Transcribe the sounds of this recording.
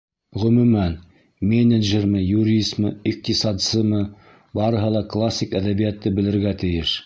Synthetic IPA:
ʁɵ̆mʉmæn | mʲenʲɘd̪ʒermɘjuɾʲist̪mɤiq̚t̪isɑd̪sɤmɤ | bɑɾɤ̆ɦɤlˠɑklˠasʲːikæðæβijæt̪ːɤbɘ̆lɘ̆ɾɡæt̪ɘ̆jɘʃ

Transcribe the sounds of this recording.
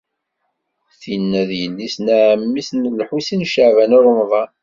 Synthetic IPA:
θinːæðjəlːisnæʕmːisnlħusinʃəʕvænʊɾˤmðˤɑ

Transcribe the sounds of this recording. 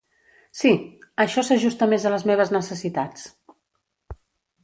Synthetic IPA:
siəʃɔsəʒust̪əmezələzmeβ̞əznəsəsit̪at͡s

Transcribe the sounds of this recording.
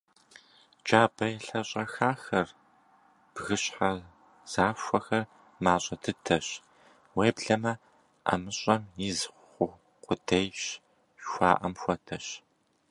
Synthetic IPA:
d͡ʒaːbɐjɛɬɐɕʼɐxaːxɐr | b̥ɣɨɕħa | z̥aːʃʷɐxɐr | maːɕʼɐtʰɨtʰɐɕ | weːbɮɐmɐ | ʔɐ̰mɨɕʼɐmjɪzʷχʷʊ | qʷʊdʰejɕ | xʷɑa̰ːʔɐmxʷɔtʰɐɕ

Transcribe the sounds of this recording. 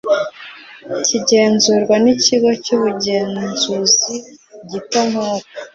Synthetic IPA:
ciɟe̞ːnzuːɾɡwaniciɡo̞cuːβuɟe̞ːnzuziɟitamhoːtḁ

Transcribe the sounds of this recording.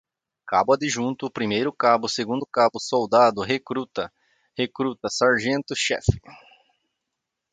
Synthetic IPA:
kabʊɐd̪ɪʒũnt̪ʊːpɾimejɾʊkabʊseɡũnd̪ʊkabʊsowd̪ad̪ʊɦekɾut̪ɐ | hekɾut̪ɐsaɾʒẽnt̪ʊʃɛ̰f

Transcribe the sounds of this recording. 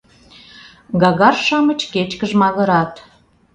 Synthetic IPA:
ɡɑɣɑrʃɑmə̆t͡ɕket͡ɕkəʒmɑɣə̆ɾɑt̪

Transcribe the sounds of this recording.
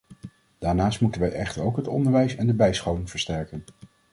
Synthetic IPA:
d̥aːɹnaːstmutənʋɛjʔɛχtəɹowkɦətɔ̰ndəɹʋɛjsɛndəbɛjsχowɪŋv̥əɹstɛɹkən

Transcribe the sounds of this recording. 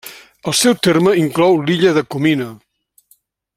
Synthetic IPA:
əlˠsɛwt̪erməiŋklɔwliʎəðəkuminə

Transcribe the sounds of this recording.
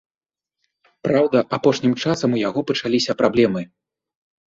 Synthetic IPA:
pɾawd̪ɐʔapɔʂnʲimt͡ʂasɐmujaɣɔpɐt͡ʂalʲisʲɐpɾablʲɛmɨ

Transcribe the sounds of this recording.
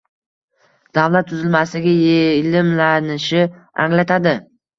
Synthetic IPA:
d̪̥avlat̪̚ʰːʊzɪlmaslɪɡʲajelɪmlanɪʃɪ | a̰ŋlat̪ʰad̪ɪ

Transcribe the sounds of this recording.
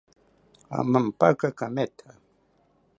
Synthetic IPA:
a̰mampakakamet̪ʰa

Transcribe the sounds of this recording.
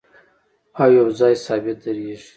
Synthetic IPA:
aːjawzɑːjsɑːbɪt̪̚d̪ɐɾiːʒi

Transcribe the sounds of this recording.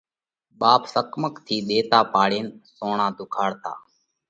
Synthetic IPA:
ɓaːpsəkməkt̪ʰiːɗ̪eːt̪aːpaːɽeːnsoːɳãːd̪ʊkʰaːɽt̪a̰ː

